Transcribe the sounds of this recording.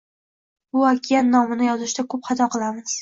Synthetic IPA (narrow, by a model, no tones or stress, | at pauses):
bʊakʲɪjanːɒmɪnɪjɒzɪʃd̪akʰɵpχɑt̪ʰɒqɨlˠamɪz̥